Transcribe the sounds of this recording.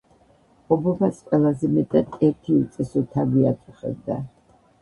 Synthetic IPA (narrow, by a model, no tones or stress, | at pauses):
ɔbɔpʰasqʼwɛlˠazɛmɛt̪ʼad̪ɛɾt̪ʰiut̪sʼɛsɔt̪ʰaviat̪ʼuχɛ̰b̚d̪a